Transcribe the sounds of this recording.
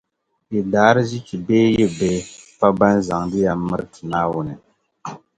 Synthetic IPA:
i˨daː˨˦ɾɨ˦zi˦t͡ʃi˨beː˦ji˦be˦pa˦ba˦n˦za˨ŋdɨ˦ja˨mɨ˦ɾɨ˦tʰɨ˨naː˦wʊ˨nɨ˨

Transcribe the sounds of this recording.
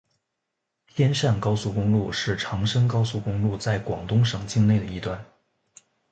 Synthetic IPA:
t̪ʰjɛ˥nʂa˥˩nkɑ˥ʊsu˥˩kʊ˥ŋlu˥˧ʂɻ̩˥˩ʈ͡ʂʰɑ˧˥ŋʂɤ˥ŋkɑ˥ʊsu˥˩kʊ˥ŋlu˥˧t͡sa˥˩ɪkwɑ̰˨˩ŋt̪ʊ˥ŋʂɤ˨˩ŋt͡ɕi˥˧ŋne˥˩ɪd̪ə˩i˧˥t̪wa˥˩n

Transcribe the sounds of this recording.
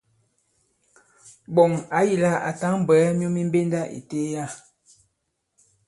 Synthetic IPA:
bɔ˨ŋa˨˦ji˨la˦a̰˨ta˦ŋ˨bɛː˨˦mjo˦mi˦m˦be˦nda˦ʔḭ˨te˦ja˦˨

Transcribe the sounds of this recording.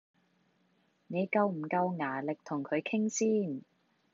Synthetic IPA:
ne˨˧jkɐ˧wm̩˨˩kɐ˧wŋaː˨˩lɪ˨k̚t̪ʰʊ˨˩ŋkʰɵ˨˧ɥkʰɪ˥ŋsiː˥n

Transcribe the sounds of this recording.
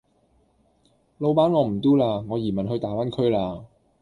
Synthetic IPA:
lo˨˧wpaː˨˥nŋɔː˨˧m̩˨˩t̪uː˥laː˧ŋɔː˨˧jiː˨˩mɐ˨nhɵ˧jt̪aː˨˥wa˥nkʰɵ˥ɥlaː˧

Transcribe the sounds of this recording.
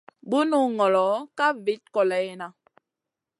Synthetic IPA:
bu˦nu˦ŋɔ˨lɔ˨˦ka˦vi˦t̚kɔ˨lɛ˨˦na˦

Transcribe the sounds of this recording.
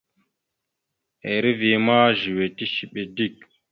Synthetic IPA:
e˨ɾi˦vi˨ma˦ʒi˨we˨ti˦ʃi˨ɓe˨di˦˨k̚

